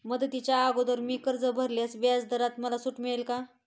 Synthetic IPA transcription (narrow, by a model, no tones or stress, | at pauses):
məd̪ət̪it͡ɕjaːɡod̪əɾmiːkəɾd͡zəbʱəɾljasʋjasd̪əɾat̪məlasuʈmiɭelka